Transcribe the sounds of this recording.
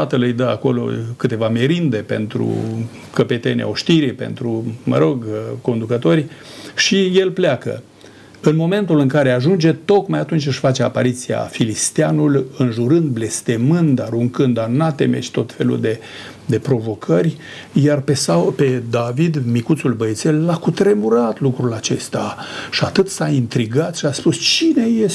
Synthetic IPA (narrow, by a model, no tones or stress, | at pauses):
at̪əlɨjd̪əa̰ko̞lo̞̰kɨt̪e̞vameɾind̪e̞pe̞̰nt̪ɾṵ | kəpe̞t̪e̞nʲḛoʃt̪iɾipe̞̰nt̪ɾumə̰ɾo̞ɡko̞nd̪ukət̪o̞rʲʃije̞lpleakə̰ | ɨnmo̞me̞nt̪ulɨŋkaɾe̞aʒund͡ʒe̞t̪o̞kmajat̪unt͡ʃʲɨʃfat͡ʃeapaɾit̪sia̰filist̪eanulɨnʒuɾɨnd̪̚ble̞st̪e̞mɨnd̪aɾuŋkɨnd̪anat̪e̞̰mḛt͡ʃʲt̪o̞t̪fe̞lṵld̪e̞ | d̪e̞pɾo̞vo̞kʰərʲ | jarpesape̞d̪avid̪mikut̪sulbəet̪selːakut̪ɾe̞muɾat̪lukɾulat͡ʃe̞st̪aʃiat̪ɨt̪saint̪ɾiɡat̪ʃiaspust͡ʃine̞je